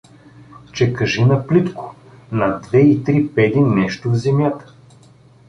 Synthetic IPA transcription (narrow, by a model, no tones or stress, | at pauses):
t͡ʃɛkɐʒinɐplit̪kʊ̥ | nɐd̪vɛit̪ɾipɛd̪inːɛʃt̪ʊvzɛmjat̪ə̥